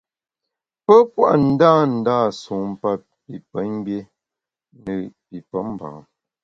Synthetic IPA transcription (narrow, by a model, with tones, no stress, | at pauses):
pə˦pwa̰˦ʔn̩˦daː˦˨n̩˨daː˦˨su˨˦m˦pa˦ | pi˨pə˨˦n˦bje˦ | nə˨pi˨pə˨˦m˦˨ba̰˨˦